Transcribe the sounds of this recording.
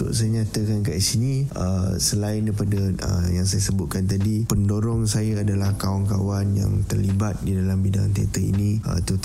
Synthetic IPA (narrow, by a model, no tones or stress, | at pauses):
t̪ṵʔsəɲat̪əkankaʔisinĩʔə̰səlaɪndpadaə̰jaŋs̬ajasəbut̪̚kant̪̬adipəndoɾɔŋsajaadalahkaaŋka̰wanja̰ŋt̪ərlibat̪̚didalambidaŋt̪iat̪əḭniə̰t̪ut̪